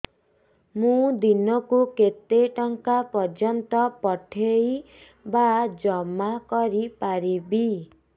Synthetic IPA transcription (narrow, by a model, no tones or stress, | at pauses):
mũd̪inɔkuket̪eʈɔŋkapɔd͡ʒɔnt̪ɔpɔʈʰej | bad͡ʒɔmːakɔɾipaɾibi